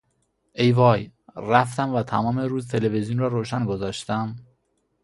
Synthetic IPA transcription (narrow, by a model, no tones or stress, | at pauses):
ʔejvɒːj | ɾæft̪æmvæt̪ʰæmɒːmeɾuːzt̪ʰelevezijunrɒːɾoːʃænɡozɒːʃt̪æm